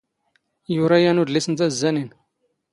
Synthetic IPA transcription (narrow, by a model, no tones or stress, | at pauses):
juɾˤajænud̪lisənt̪æzːænin